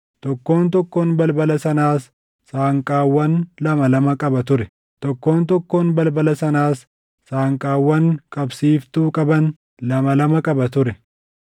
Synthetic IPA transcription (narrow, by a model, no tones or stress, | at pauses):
t̪ɔkːo̞ːnt̪ɔkːo̞ːnbɐlbɐlɐsɐnaːsː | aːŋkʼaːwːɐnlɐmɐlɐmɐkʼɐbɐt̪ʊɾɛ | t̪ɔkːo̞ːnt̪ɔkːoːnbɐlbɐlɐsɐnaːsː | aːŋkʼaːwːɐŋkʼɐbsiːft̪uːkʼɐbɐn | lɐmɐlɐmɐkʼɐbɐt̪ʊɾɛ